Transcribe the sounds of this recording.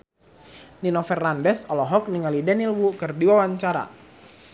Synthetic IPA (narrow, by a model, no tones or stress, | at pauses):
ninɔfɛrnandɛsɔlɔɦɔk̚niŋalidɛnilwukɨrdiwawaɲt͡ʃaɾa̰